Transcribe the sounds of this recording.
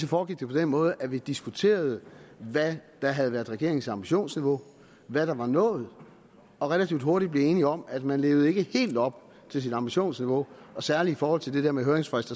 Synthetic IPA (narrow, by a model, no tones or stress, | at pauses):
sɒfɒːɡ̥iɡ̥̚d̥e̝pʰɒ̽d̥enmɔ̽ːð̞ˠəʔæʋid̥isɡ̥ut͡sʰe̝̰ːɐð̞̩ˠʋæd̥ɑ̈ɦæð̞̩ˠʋæɐð̩ˠʁɛɡe̝ɐ̰eŋ̩t͡sɑ̈mb̥iɕo̝̰ːnsniʋo̝ | ʋæɾ̥ɑ̈ʋɑ̈nɔ̰̽ːð̞̩ˠ | ɒ̽ʁɛlæt͡sʰiʊd̥ɦoɐɾ̥id̚b̥le̝e̝ːniɒ̽mæd̥mænle̝ːʊð̩ˠe̝ɡ̥əhe̝̰ːld̥ɒ̽b̥ | t͡sʰe̝ls̬id̥ɑ̈mb̥iɕo̝̰ːnsniʋo̝ɒ̽sæɐliifɒːhɒ̽l̰t͡sʰe̝ld̥e̥eɐ̰meɦøɐeŋsfʁɛsd̥ɐ